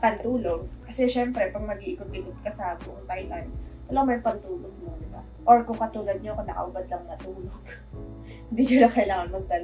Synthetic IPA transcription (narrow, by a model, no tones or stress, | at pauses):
pɐnt̪uːloɡ̚kɐsɛʃɛmpɾɛpɐɡ̚mɐɡiʔɪkʊt̪̚ʔɪkʊt̪̚kɐsɐbʊʔʊŋt̪ajlant̪ɐlɐɡamɐjŋpɐnt̪uːloɡ̚ɲod̪ɪba̰ | ʔoɹkʊŋkɐt̪uːlɐd̪̚ɲokɐd̪a̰kɐ̰ʔʊbɐd̪lɐŋnɐt̪uːloɡ̥ | hɪnd̪iɲolɐŋkɐɪlaːŋɐnmɐɡ̚d̪ɐl